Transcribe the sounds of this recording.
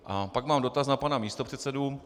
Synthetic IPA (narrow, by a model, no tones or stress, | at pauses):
ʔapakmaːmdo̞t̪asnapanamiːst̪o̞pr̝ɛt̪sɛdu